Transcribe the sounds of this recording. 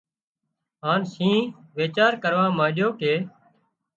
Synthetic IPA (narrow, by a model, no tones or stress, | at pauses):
ɦaːnsĩːʋeːt͡ʃaːɾkəɾʋãːmãːɗjoːkeː